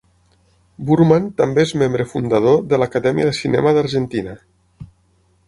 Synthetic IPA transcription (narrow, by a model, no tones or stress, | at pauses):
buɾmant̪ambeezmembɾəfund̪að̞oðəlakaðɛmiəðəsinɛ̰maðaɾʒənt̪ina